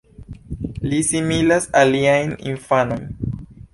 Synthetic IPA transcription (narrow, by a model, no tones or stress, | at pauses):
lisimilasaliajnḭnfano̞jn